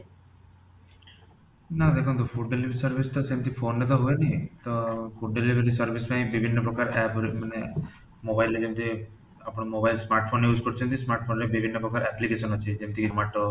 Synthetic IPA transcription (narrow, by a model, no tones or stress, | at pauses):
nad̪ɛkont̪ofʰuɖɖeliʋeɾisɐɾbʱisʈ̪ot͡ʃemt̪ifʰoːnlet̪̬oɦojnit̪ofuɖɖeliʋʱeɾisɐɾbʱismebibʱinːɐpɾɔkaɾɛpɾimɐne | mobajlːed͡ʒemt̪ʰi | apɔɽɐmobajlsmaːɾʈ̚fʰoːnːejuːskoɽut͡ʃʰunt̪ismaːɾʈ̚fʰoːnlebibʱinːɐpɾɔkaɾɛplikeːʃɔnɦot͡ʃːed͡ʒemit̪imaʈːo